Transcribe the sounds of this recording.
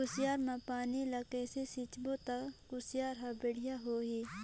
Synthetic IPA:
kʊsijaːɾmãpaːnilɐkɛːsesɪt͡ʃbot̪ɐkʊsjaːɾɦabeɽijaɦoːɦi

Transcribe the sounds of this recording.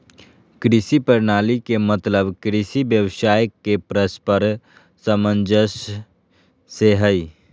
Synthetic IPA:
kɾɪsipəɾnaːlikemət̪ləbkɾɪsibjəʋsaːjəkːepɾəspəɾ | səmə̃nd͡ʒəʃ | eɦəi

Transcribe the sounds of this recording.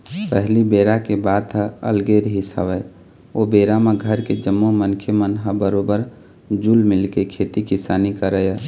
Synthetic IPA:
pəɦlibeɾakebad̪əə̰lɡeɾɦisa̰bə | obeɾameɡʱəɾked͡ʒəmːomənkʰemənɦãbəɾobəɾ | d͡ʒulmɪlkekʰet̪ikisaːnikəɾəɛ

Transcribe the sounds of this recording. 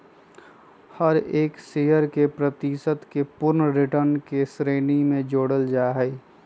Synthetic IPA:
həɾeːkseɦəɾkepɾət̪isət̪kepʊɾnɾɪʈəɾnkesɾeːnimẽd͡ʒoːɽəld͡ʒaːɦɛ

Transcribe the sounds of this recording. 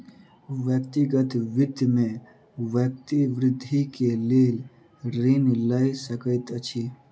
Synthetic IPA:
ʋjəkt̪iɡət̪ʋɪd̪mẽ | ʋjək̚t̪iʋɾɪd̪ʱːikeleːl | ɾinlaisəkəjt̪ət͡ʃʰi

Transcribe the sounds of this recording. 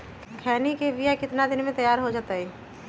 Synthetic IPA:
kʰɛːnikebijakɪt̪nad̪ɪnmẽt̪ɐjaːɾɦod͡ʒaːt̪aɦɛ

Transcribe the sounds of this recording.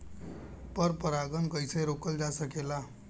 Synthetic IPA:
pəɾpəɾaɡənkəjseɾokəld͡ʒasəkela

